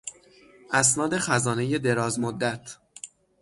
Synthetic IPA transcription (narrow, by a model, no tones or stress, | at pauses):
ʔæs̬nɒːd̪e̞xæzɒːne̞je̞d̪e̞ɾɒːzmod̪ːæt̪ʰ